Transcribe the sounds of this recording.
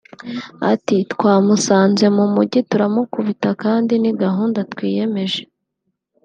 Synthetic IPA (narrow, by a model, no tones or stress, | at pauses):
a̰titkwaːmusaːnze̞mumuɟituɾamokuβitakaːndiniɡaɦuːndatkwiːje̞me̞ʒe